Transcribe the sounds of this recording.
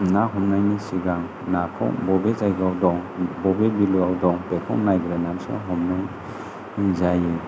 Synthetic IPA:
naɦɔmnajnisiɡaŋ | nakʰɔ̰ŋbɔbezajɡawdɔŋbɔbebilɔjawdɔŋpekʰɔŋnajɡɾanamsɔ̰ɦɔmnɔŋ | izaji

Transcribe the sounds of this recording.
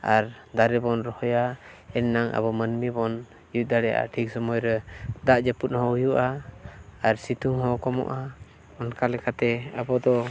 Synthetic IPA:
aɾ | d̪aɾɛbɔnɾɔhɔjaɛnːaŋʔa̰bɔmənmibɔn | jut̪̚d̪aɽɛjaʔa̰ʈʰik̚sɔmɔjɾɛd̪aʔd͡ʒəput̪̚ˀhɔ̃ujuʔaː | ɾsit̪uŋɦɔ̃kɔmɔ̰ʔa | ɔnkalɛkat̪ɛabɔd̪ɔ

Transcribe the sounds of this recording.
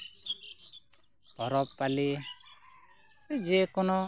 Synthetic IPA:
bɔɾɔpːali | ɛd͡ʒekɔnɔ

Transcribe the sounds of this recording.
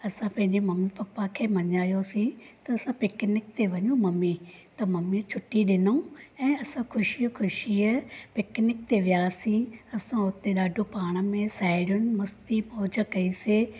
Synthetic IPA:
ɐsãpɐ̃ɦɪ̃ɲd͡ʑemɐmipɐpːakʰeːmɐɲaːjosĩt̪ɐːsãpɪːknɪk̚t̪eʋɐɲũmɐmit̪ɐmɐmit͡ɕʰʊʈiɗɪnũɛ̃ːɐsãkʰʊʃikʰʊʃiəpɪːknɪk̚t̪eʋijaːsĩɐsãʊt̪eɗaːɖʱopaːɽ̃ə̆mẽsaːɪɽijʊnɪ̆mɐst̪imoːd͡ʑə̆kɐise

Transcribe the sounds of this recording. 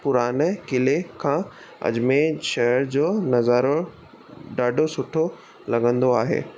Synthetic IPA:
pʊɾaːnkɪlekʰãː | ɐ̰d͡ʑmẽʃɐɦəɾd͡ʑoːnɐzaːɾo | ɖaːɖʱosʊʈʰo | lɐɠə̃nd̪oaːɦḛː

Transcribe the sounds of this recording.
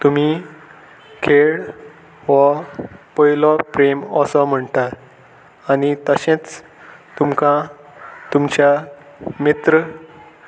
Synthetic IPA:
t̪um̤i | kʰeɭ | ʋəpɔjlɔpɾeməsɔm̤əɳt̪at | añit̪əɕẽt͡s | t̪umkã | t̪umt͡ɕja | mit̪ɾə

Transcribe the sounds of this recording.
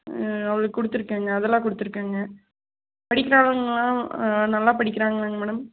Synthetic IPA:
ɐʋɐɭɯkːɯkːʊɽɯt̪ːɯɾɯkːeːŋɡɐːðɛlːãːkʊɽɯt̪ːɯɾɯkːeːŋɡɐ | pɐɽɪkːɪɾaːɭɯŋɡɐlːãːnɐlːãːpɐɽɪkːɪɾaːŋɡɐlaŋɡɐmɛːɽɐm

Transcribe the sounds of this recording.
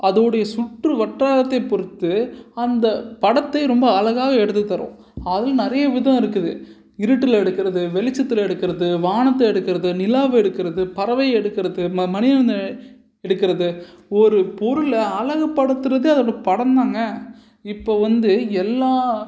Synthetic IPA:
ʔɐðoːɽɐjɐsʊʈrɯʋɐʈraːlɐt̪ːɐɪpɔɾɯt̪ːɯɐnd̪ɐpɐɽɐt̪ːɐɪɾɔmbɐːlɐɣaːɣɐɛɽɯt̪ːɯt̪ːɐɾõ̰ | ɐðɪlnɪɾɐjɐʋɪðɐ̃ɪɾɯkːɯðɯ | ɪɾɯʈːɯlɛɽɯkːɪɾɐðɯʋɛlɪt͡ʃːɐt̪ːɯlɛɽɯkːɪɾɐðɯʋaːɳɐt̪ːɐɛɽɯkːɪɾɐðɯnɪlaːʋɛɽɯkːɪɾɐðɯpɐɾɐʋɐjɛɽɯkːɪɾɐðɯmɐmɐnɪðɐɐn | ɛɽɯkːɪɾɐðɯ | ɔɾɯpɔɾɯlɐlɐɣɐpːɐɽɯt̪ːɯɾɐðeɐðɐɽpɐɽɐnd̪aːŋɡɐ | ɪpːoːʋɐnd̪ɯɛlːaː

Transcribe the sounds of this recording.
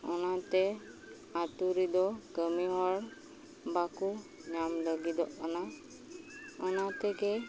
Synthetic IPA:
ɔnat̪ɛ | at̪uɾid̪ɔkəmiɦɔɽ | bakuɲamləɡid̪ɔʔana | ɔnat̪ɛɡe

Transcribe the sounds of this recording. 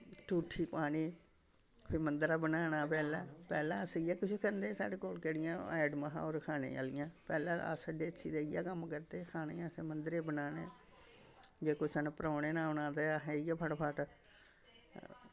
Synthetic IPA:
ʈuːʈʰiːpaːɽiː | pʰɪmənd̪ɾaːbənaːnaːpɛːlãːpɛːlãːəsɪjaːkʊʃkʰənd̪eːsa̰ːɽeːkoːlkɛːɽɪjãːɛːɖməɦã̰ːoːɾkʰaːnḛːa̰ːlɪjãːpɛːlãːa̰səɖeːət͡ʃʰiːd̪eːɪja̰ːkəmkəɾt̪eːkʰaːneːaːseːmənd̪ɾeːbənaːneː | d͡ʒeːkoːsənpəɾaːneːnãːʊnãːt̪eːaɦeːɪjaːpʰəʈpʰəʈ

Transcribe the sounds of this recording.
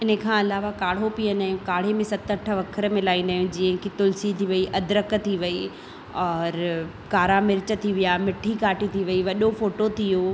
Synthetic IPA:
ɪnəkʰãːɐlaːʋakaːɽ̤opiːə̃nd̪aːjũkaːɽ̤emẽsɐt̪əʈʰə̆ʋɐkʰəɾmɪlaːĩnd̪aːjũd͡ʑĩːə̃ɦkʰit̪ʊlsit̪ʰiʋɐiʔɐd̪ɾək̆t̪ʰiʋɐi | ɔːɾ | kaːɾamɪɾt͡ɕə̆t̪ʰiʋijamɪʈʰːikaːʈit̪ʰiʋɐiʋɐɗofoːʈot̪ʰijo

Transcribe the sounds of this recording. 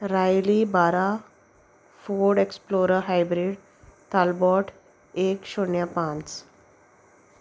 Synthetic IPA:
ɾajlibaɾa | foɾɖeksploɾəɾɦajbɾiɖ | t̪albɔʈ | ekɕoɳjapãnt͡s

